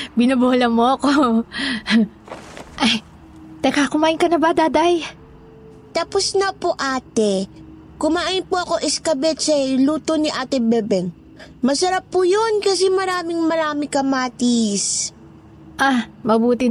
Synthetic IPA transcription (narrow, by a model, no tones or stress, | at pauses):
bɪnɐboːlɐmoʔɐko | ʔɐj | t̪ɐkakʊmaːʔɪnkɐnɐbaːd̪aːd̪ɐj | t̪aposnɐpoʔaːt̪ɛ | kʊmaːʔɪnpoʔɐko̞ʔɪskɐbɛt̪sɐluːt̪oniʔaːt̪ɪbɛbɛn | mɐsɐɾapːujonkɐsɛmɐɾaːmɪŋmɐɾaːmɪkɐmaːt̪is | ʔamɐbuːt̪ɪ